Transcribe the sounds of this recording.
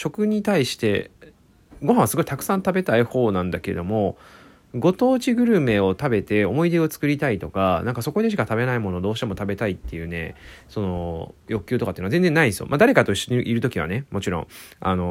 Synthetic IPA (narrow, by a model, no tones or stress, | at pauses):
ɕo̞kɯ̟ɲ̟it̪aiɕi̥t̪e̞̰ | ɡo̞ɦãɰ̃βasɨɡoki̥t̪akɯ̟̥sãnt̪abe̞t̪aiho̞ːnãnd̪ake̞ɾed̪o̞mo̞ | ɡo̞t̪o̞ːt͡ɕiɡɯ̟ɾɯ̟me̞o̞t̪abe̞t̪e̞o̞mo̞id̪e̞o̞t͡sɨ̥kɯ̟ɾʲit̪ait̪o̞kanãŋkaso̞ko̞ɲʲeɕ̬ikat̪abe̞naimo̞nod̪o̞ːɕi̥t̪emo̞t̪abe̞t̪ait̪ːe̞jɯ̟ːne̞̰so̞no̞jo̞kɯ̟̥ɨ̟ːt̪okat̪eɯːnazẽ̞nd͡zenːaĩnsɨjo̰mʔad̪aɾe̞kat̪o̞iɕːo̞ɲ̟iʔiɾɯ̟t̪o̞kʲiβ̞a̰ne̞mo̞t͡ɕiɾõ̞̰ŋ̃a̰no̞